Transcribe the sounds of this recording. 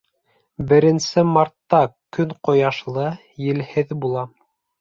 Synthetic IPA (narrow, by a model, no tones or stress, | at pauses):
bɘ̆ɾɘ̆nsɘmɑɾt̪ːɑkɵŋqŏjɑʃlˠɤ | jɘ̆lhɘðbulˠɑ